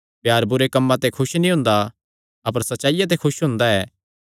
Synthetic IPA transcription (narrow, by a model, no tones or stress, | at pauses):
pjaːɾbʊɾekɐmːãt̪ekʰʊʃnĩɦʊ̃ːnd̪a | ɐp̬əɾsɐtːʃaːijat̪̬ekʰʊʃɦʊ̃ːnd̪aɛː